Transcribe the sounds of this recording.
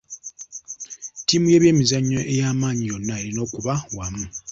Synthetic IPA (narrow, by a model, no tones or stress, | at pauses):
tiːmuje̞ːβje̞ːmizaɲːo̞ʔe̞jaːmaːɲijo̞nːaelino̞ːkuβawamu